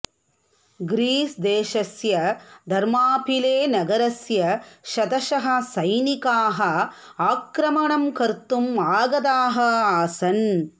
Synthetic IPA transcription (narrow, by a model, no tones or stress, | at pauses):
ɡɾiːsd̪eːʃɐsjɐd̪ʱɐɾmaːpʰileːnɐɡɐɾɐsjɐʃɐd̪ɐʃɐɦɐ̆sɐjnikaːɦɐ | aːkɾɐmɐɳɐmkɐɾt̪umaːɡɐd̪aːɦɐaːsɐn